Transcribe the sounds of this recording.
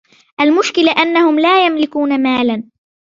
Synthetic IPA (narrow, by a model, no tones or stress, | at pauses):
ʔalmʊʃkɪlaʔanːahʊmlaːjamlɪkuːnamaːlan